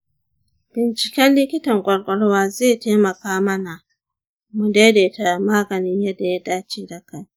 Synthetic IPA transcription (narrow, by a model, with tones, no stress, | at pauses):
b̥ɪ˨nt͡ʃi˨kʲɛ˦nli˦kʲi˦tɐ˨ŋkʼɔ˨ɽkʷʼɔ˨ɽwa˦zeː˦˨teː˦mɐ˨kaː˦mɐ˦na˨ | mu˨de˦deː˨ta˨maː˦ɡɐ˨nɪ˦njɛ˦dːa˨ja˦daː˦t͡ʃiː˦da˦ka˨